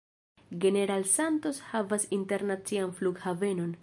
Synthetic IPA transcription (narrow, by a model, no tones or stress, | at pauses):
ɡe̞ne̞ɾalsanto̞shavasinte̞ɾnat͡sianfluɡhave̞no̞n